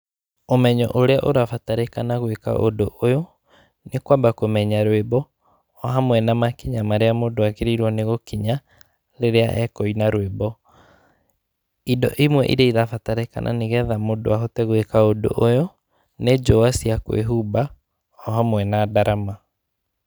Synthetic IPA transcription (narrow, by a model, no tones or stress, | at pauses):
omɛɲɔ̰ʔoɾeaʔoɾafataɾekanaɣweka̰ʔo̰doʔojo | nekwabakomɛɲaɾwebɔː | ɦamwɛnamakiɲamaɾeamodoakeɾeɾwɔneɣokiɲa | ɾeɾea̰ʔɛkɔinaɾwebɔ | idɔ̰ʔimwɛ̰ʔḭɾeiðafataɾeka̰nʔa̰neɣɛðamodo̰aɦotɛɣwekaodo̰ʔojo | ned͡ʒɔasiakwḛɦuba | ɔɦamwɛnadaɾama